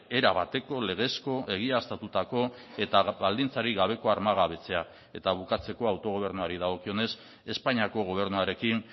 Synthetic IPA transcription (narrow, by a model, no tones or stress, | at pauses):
e̞ɾaβat̪e̞ko̞le̞ɣ̞e̞sko̞ʔe̞ɣ̞iast̪at̪ut̪ako̞e̞t̪aβald̪int͡saɾiɣaβ̞e̞ko̞aɾmaɣaβe̞t͡se̞a | e̞t̪aβukat͡se̞ko̞awt̪o̞ɣ̞o̞β̞e̞ɾnuaɾið̞aɣ̞o̞kio̞ne̞s | e̞spaɲiako̞ɣ̞o̞β̞e̞ɾnuaɾe̞kin